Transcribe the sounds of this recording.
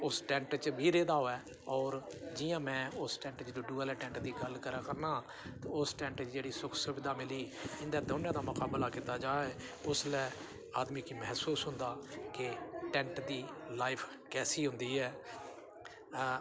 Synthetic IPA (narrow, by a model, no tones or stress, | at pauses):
ʊsʈɛ̃ːɳʈt͡ʃbʱiːɾeːd̪aːoːɛː | ɔːɾd͡ʒɪjãːmɛ̃ːʊsʈɛ̃ːɳʈt͡ʃd̪oːɖuːəlɛːʈɛ̃ːɳʈd̪iːɡəlkəɾãːkəɾnãː | t̪ːʊsʈɛ̃ːɳʈt͡ʃd͡ʒeːɽiːsʊkʰsuʋɪd̪aːmɪliːɪnd̪aːd̪oːnãːd̪aːmʊkaːblaːkiːt̪aːd͡ʒaːeːʊslɛː | aːd̪miːkiːmɛɦsuːsɦʊ̃nd̪aːkɪʈɛ̃ːɳʈd̪iːlaːɪpʰ | kɛːsiːɦʊnd̪iːɦɛː